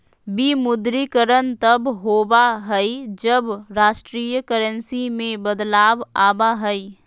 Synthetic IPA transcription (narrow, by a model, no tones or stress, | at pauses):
bimʊd̪ɾikəɾənt̪əbɦoːbaɦəid͡ʒəbɾaːʃʈɾiːjəkəɾənsimẽbəd̪laːbaːbaɦəi